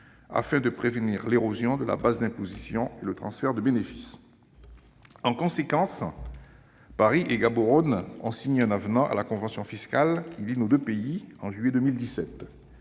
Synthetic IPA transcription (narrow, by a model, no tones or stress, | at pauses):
a̰fɛ̃d̪əpχevəniʁleʁozjɔ̃d̪əla̰bazd̪ɛ̃pozisjɔ̃elət̪χɑ̃sfɛʁd̪əbenefi̥s | ɑ̃kɔ̃sekɑ̃s | paʁiʔeɡaboʁɔnɔ̰̃siɲɛ̃navnɑ̃ʔa̰lakɔ̃vɑ̃sjɔ̃fiskalkʲʰilinod̪øpeiɑ̃ʒɥyɛd̪ømild̪isɛt̪